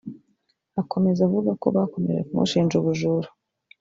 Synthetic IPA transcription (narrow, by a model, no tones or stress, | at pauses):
akʰo̞me̞zavuɡako̞̰βako̞mḛɾekumṵʃiːnd͡ʒuβuʒuɾu̥